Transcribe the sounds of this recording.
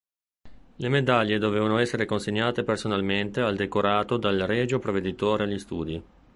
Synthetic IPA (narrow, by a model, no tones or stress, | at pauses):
lemed̪aʎːed̪oveːvanoɛsːeɾekonseɲːaːt̪epersonalment̪eald̪ekoɾaːt̪od̪alrɛːd͡ʒopɾoved̪it̪oːɾealːist̪uːd̪i